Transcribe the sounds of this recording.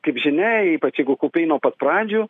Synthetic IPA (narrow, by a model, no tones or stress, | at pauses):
kɐɪpʒʲɪnʲɛiːpɐt͡ʃjɛɪɡʊkoːpʲɛɪnuɔpɐt̪pɾɑːd͡ʒʲuː